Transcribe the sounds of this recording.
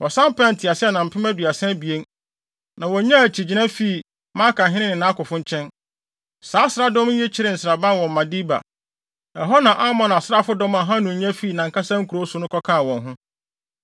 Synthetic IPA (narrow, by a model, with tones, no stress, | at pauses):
wɔ˨sã˦m˦pɛ̃˦n̩˨tʰɪ˨a˨sɪ˦ɛ˦˨nã˨m̩˨pʰɪ˦mæ˦dɥa˨sɛ̃˦bi˨e˦n | nã˨wɔ˨˦ɲã˦æ˨t͡ɕʰi˨d͡ʑi˨˦nã˦fi˦˨ | mã˦kʰã˨ɦɪ̃˦nɪ̃˦nɪ̃˨nã˨˦kʊ˨fʊ̃˦ɲ˦t͡ɕʰɛ̃˦n | saː˨˦sɪ˦ɾa˦dɔ̃˦m˦je˦t͡ɕʰɪ˦ɾɪ˦˨n̩˨sɾa˨bã˦n˨wɔ̃˨m̩ː˨ã˨di˦ba̰˨ | ɛ˨ɦɔ˦nã˨ʔa˦mɔ̃˦n˨a˨sɾa˦fʊ˦dɔ̃˦mã˨ɦã˦nʊ̃˨ɲã˦fiː˦˨nã˨ŋ˨ka˦sã˦ŋ̩˦kʰu˨ɾo˦sʊ˦nʊ̃˦kʰɔ˦kʰã˦˨wɔ̃˨nɦʊ̃˦